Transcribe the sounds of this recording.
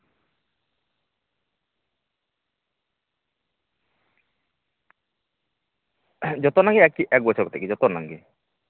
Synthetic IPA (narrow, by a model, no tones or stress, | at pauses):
d͡ʒɔt̪ɔnaŋɡeɛkiʔɛk̚bɔt͡ʃʰɔɾkɔt̪ekid͡ʒɔt̪ɔnaŋɡe